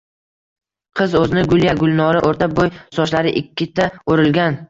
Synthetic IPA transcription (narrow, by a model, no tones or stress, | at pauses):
qʰɨzɵzɪnɪɡʊljaɡʊlˠnɒɾɪʔoɾt̪ʰabojsɒʃlaɾɪʔɪkʲʰːɪt̪ʰaoɾɪlɡʲan